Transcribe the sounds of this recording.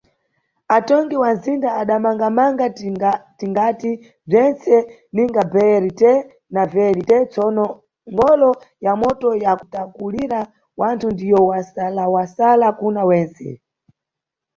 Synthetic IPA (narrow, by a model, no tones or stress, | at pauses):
atɔŋɡiwanzindaːɗamaŋɡamaŋɡatiŋɡati | b͡ʐɛnsɛ | niŋɡabɛɾitɛ | navɛɾitɛt͡sɔnɔ | ŋɡɔlɔ | jamɔtɔjakutakuliɾa | wantʰundijɔwasalawasalakunawɛːnsɛ̰